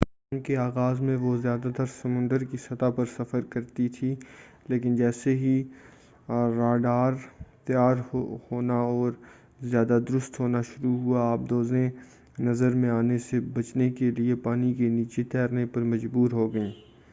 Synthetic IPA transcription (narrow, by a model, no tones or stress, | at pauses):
paːmkeaːɣaːzmẽʋozjaːd̪at̪ɐɾsɐmʊ̃nd̪əɾkisɐt̪apɐɾsɐfəɾkɐɾt̪it̪ʰileːkɪnd͡ʒɛːseɦi | aːɖaːɾt̪jaːɾhoːnaɔːɾ | zjaːd̪ad̪ʊɾʊst̪ɦoːnaʃʊɾuɦuaaːp̚d̪oːzẽ | nɐzəɾmẽaːnesebɐt͡ʃnekeliepaːnikeniːt͡ʃet̪ʰɛːɾnepɐɾmɐd͡ʒbuːɾɦoːɡɐĩː